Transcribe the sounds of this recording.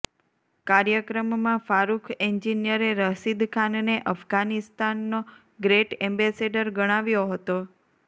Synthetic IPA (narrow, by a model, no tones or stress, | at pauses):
kaɾjəkɾəmːãfaɾukʰeɲd͡ʒinjəɾeɾəɦsid̪kʰanneʔəfɡanist̪anːo | ɡɾeʈɛ̃mbɛseɖəɾɡəɽ̃aʋjoɦət̪o